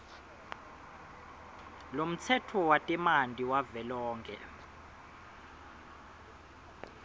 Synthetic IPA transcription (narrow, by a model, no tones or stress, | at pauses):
lom̩t͡sʰɛtʰɔwatʼimandʼʱiwavɛlɔːŋkʰɛ̰